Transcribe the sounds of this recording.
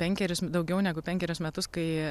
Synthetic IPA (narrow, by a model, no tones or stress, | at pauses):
pʲɛŋʲkʲɛɾʲʊsd̪ɐʊɡʲɛʊnʲæːɡʊpʲɛŋʲkʲɛɾʲʊsmʲɛt̪ʊskɐɪ